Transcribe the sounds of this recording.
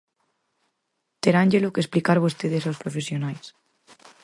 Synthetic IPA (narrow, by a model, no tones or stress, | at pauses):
t̪eɾanʲd͡ʒelokesplikaɾβost̪eðesawspɾofesjonajs